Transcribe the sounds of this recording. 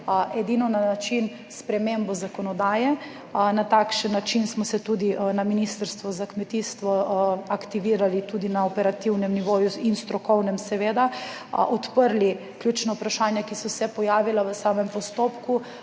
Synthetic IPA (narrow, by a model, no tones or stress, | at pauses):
ʔɛd̪inɔnanat͡ʃin | spɾɛmembɔzakɔnɔd̪aːjɛ | nat̪akʃənːat͡ʃinsmɔsɛt̪ud̪inaminist̪əɾst̪ʋɔzakmɛt̪iːst̪ʋɔakt̪iʋiːɾalit̪ud̪inaɔpɛɾat̪iwnɛmniʋoːjuinst̪ɾɔkɔwnɛmsɛʋeːd̪aʔɔt̪pəɾli | kljut͡ʃnaupɾaʃaːnjakisɔwsɛpɔjaːʋilaʋəsaːmɛmpɔst̪oːpku